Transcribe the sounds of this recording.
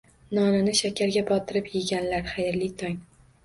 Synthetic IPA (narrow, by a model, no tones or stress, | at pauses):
nɒnɪnɪʃakʲʰaɾɡʲabɒt̪ʰɪɾɪpjɪɡʲanlaɾχajɪɾlɪt̪ʰɒŋ